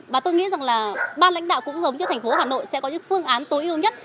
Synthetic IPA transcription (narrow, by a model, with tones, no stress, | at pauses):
ɓaː˨˩t̪o˧jŋḭ˧˥za˨˩ŋlaː˨˩ɓaː˧nla̰˧˥jŋ̟ɗa̰ː˧˨wkʊ̰˧˥ŋ͡mzə˨˦wŋ͡mt͡ɕɔ˧t̪ʰɛ˨˩ŋ̟fo˨˦ɦaː˨˩no̰˧˨jsɛ̰˧˥kɔ˨˦ɲɨ̰˧˥ŋfɨ˧əŋʔaː˨˦nt̪o˨˦jʔi˧əwɲə˦˥t̚